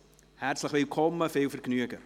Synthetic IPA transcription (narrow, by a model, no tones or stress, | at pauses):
hærtsləχvewkʰɔlˠmːəfewfərknyəkə